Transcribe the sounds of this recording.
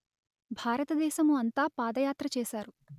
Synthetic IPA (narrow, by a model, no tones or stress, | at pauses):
bʱaːɾɐt̪ɐd̪ɛːʃɐmuɐnt̪aːpaːd̪ɐjaːt̪ɾɐt͡ʃɛːʃaːɾu